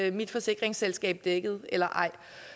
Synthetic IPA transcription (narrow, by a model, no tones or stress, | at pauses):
mid̥fɒ̽se̝ɡ̥ʁeŋselsɡ̥ɛ̰ːb̥d̥eɡ̥əð̞̩ˠelɐʔɑ̈ɪ̰